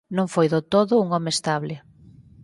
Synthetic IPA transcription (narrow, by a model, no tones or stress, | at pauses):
nõŋfojðot̪oðʊuŋɔmeest̪aβlɪ